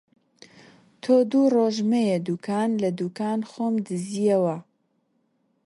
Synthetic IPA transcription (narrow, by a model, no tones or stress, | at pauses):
t̪ʰoːd̪uːroːʒmejɛd̪uːkʰaːnlɐd̪uːkaːnxoːmd̪ɨzijɐwɐ